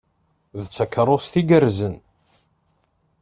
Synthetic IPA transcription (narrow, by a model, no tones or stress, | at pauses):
ðt͡sːəkːɾˤost̪iɡəɾzən